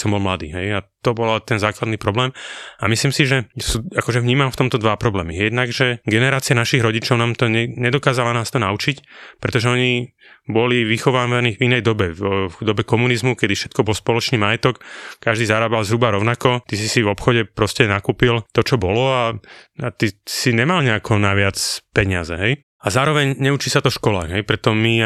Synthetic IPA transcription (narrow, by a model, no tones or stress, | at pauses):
sɔmbɔlmlad̪ḭːɦɛjat̪ɔbɔlaɛt̪ɛnzaːklad̪nipɾɔblɛːmamisliːmsiʒɛsuːakɔʒɛvɲiːmamft̪ɔmt̪ɔd̪ʋapɾɔblɛːmijɛd̪naɡʒɛɡɛnɛɾaːt͡sianaʃiɣɾɔɟit͡ʃɔʊnaːmt̪ɔɲɛɲɛd̪ɔkaːzalanaːst̪ɔnaut͡ʃicpɾɛt̪ɔʒɛɔɲi | bɔliʋixɔʋaːʋaniːvinɛjd̪ɔbɛxud̪ɔbɛkɔmunizmukɛd̪ifʃɛt̪̚kɔbɔlspɔlɔt͡ʃniːmajɛt̪ɔkkaʒd̪iːzaɾaːbalzɦɾubaɾɔʊnakɔt̪isisivɔpxɔɟɛpɾɔscɛnakuːpilt̪ɔt͡ʃɔbɔlɔaat̪isiɲɛmalɲɛakʰɔnaʋɪat͡spɛɲɪazɛɦɛj | azaːɾɔʋɛɲɲɛut͡ʃisat̪ɔfʃkɔla̰ːɣɦɛjpɾɛt̪ɔmi